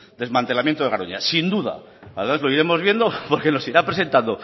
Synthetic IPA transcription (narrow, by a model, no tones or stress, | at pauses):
d̪e̞zmãnt̪elamjent̪oeaɾo̰ɲa̰sind̪uða̰ | aðemazloiɾe̞mo̞zβje̞nd̪opo̞ɾke̞no̞siɾapɾe̞s̬e̞nt̪and̪o